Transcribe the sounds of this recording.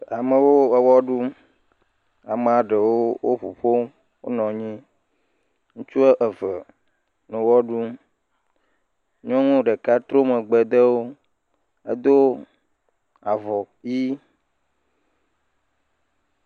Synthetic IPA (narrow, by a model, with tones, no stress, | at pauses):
a˨mə̃˨wo˦ə˨wɔ˦ɖu˦m | a˨me˨a˨ɖe˨wo˦wo˦ɸṵ˨ɸo˦m | wo̰˦nɔ̃˨ɲĩ˦ | ŋũ˦t͡ʃu˦ɛ˦ʔə˨və˨ | nɛ̃˨wɔ˦ɖu˦m | ɲɔ̃˦ŋũ˦ɖe˨ka˦t̪ɾo˦mə˨ɡ͡be˨d̪e˦wo˦ | ḛ˦d̪o˦ | a˨vɔ˨ | ji˦